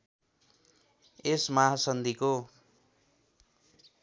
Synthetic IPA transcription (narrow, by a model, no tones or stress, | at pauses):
esmaɦasʌnd̪iko